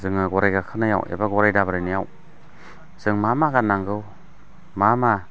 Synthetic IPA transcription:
zɯŋɯɡɔɾajɡakʰɯnaja̰wḛbaɡɔɾajdabaɾajnijaw | z̥ɯŋmamaɡanːaŋɡɯw | mama

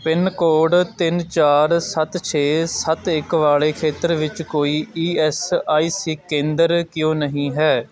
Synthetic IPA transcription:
pɪnkoːɖt̪ɪnt͡ʃaːɾsət̪t͡ʃʰeːsət̪ɪkʋaːɭeːkʰeːt̪əɾʋɪt͡ʃkoːiːiːɛsaːiːsiːkẽːnd̪əɾkjõːnəɦĩːɦɛː

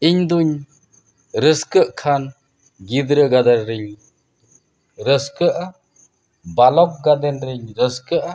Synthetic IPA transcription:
iɲd̪uɲ | ɾəskəʔkʰan | ɡid̪ɾəɡad̪aɾɾɯɲ | ɾəskəʔa | balɔk̚ɡad̪ɛnɾiɲɾəskəʔa

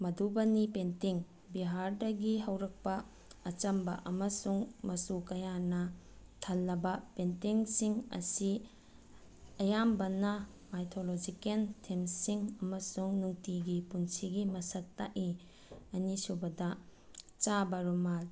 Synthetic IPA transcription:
mɐdubɐnipentiŋ | biɦaɾdɐɡiɦɐwɾɐk̚pɐː | t͡ʃɐmbɐʔɐmɐsuŋmɐsukɐjanɐtʰɐlːɐbɐpentiŋsiŋɐ̰si | ɐjambɐnɐ | majtʰolod͡ʒikentʰemsiŋɐmɐsuŋnuŋtiɡipunsiɡimɐsɐtːa̰ʔi | ɐnisubɐdɐ | t͡ʃabɐɾumal

